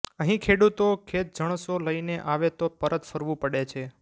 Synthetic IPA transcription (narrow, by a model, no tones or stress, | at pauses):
əɦĩkʰeɽut̪okʰet̪̚d͡ʒəɳ̃əsoləineʔaʋet̪opəɾət̪fəɾʋũpəɽet͡ʃʰe